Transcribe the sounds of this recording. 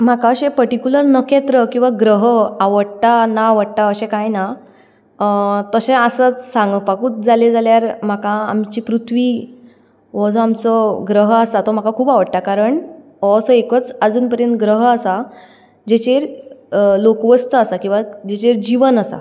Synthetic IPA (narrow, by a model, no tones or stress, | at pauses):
m̤akaəɕẽpəɾʈikuləɾnəkʰet̪ɾəkĩw̃ʋaɡɾəɦəaʋəɽʈ̪anaːʋəɽʈaəɕẽkajna | t̪əɕẽəsət͡ssãŋɡəpakuːt͡s̪d͡zaled͡zaljaɾm̤akaa̰mt͡ɕiːpɾut̪ʰʋiː | ʋɔd͡zõamt͡sɔɡɾəɦəasat̪ɔm̤akakʰuːpaʋəɽʈ̪akaɾəɳ | əsɔekət͡səd͡zuːnpəɾjənt̪ɡɾəɦəasa | d͡ʑet͡ɕeɾ | lokʋəst̪əasakĩw̃ʋad͡ʑet͡ɕeɾd͡ʑiʋənəsa̰